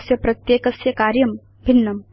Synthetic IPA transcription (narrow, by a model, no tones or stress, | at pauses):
sjɐpɾɐt̪jeːkɐsjɐkaːɾjɐm | bʱinːɐm